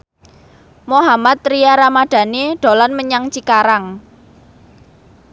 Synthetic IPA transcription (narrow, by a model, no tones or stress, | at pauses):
moɦamat̪̚ɾijaɾamaɖ̥ä̤neɖ̪̥o̤lanməɲaŋt͡ʃikaɾaŋ